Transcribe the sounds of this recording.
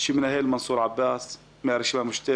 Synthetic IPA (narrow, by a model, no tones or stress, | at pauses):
ʃiːmɪnʔæɦeːlmɑnsˤuːɾʕabːæːs | maɾʃimæmʊʃt̪a